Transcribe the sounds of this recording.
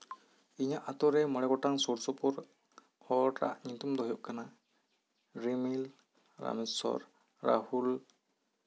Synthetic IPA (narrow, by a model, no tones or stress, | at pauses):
iɲaʔat̪ɔɾɛməɽɛɡɔʈaŋsɔɾsɔpɔɾ | hɔʈa̰ʔɲit̪umd̪ɔɦɔjɔʔkana | ɾimil | ɾa̰mɛsɔ̰ɾ | ɾa̰hul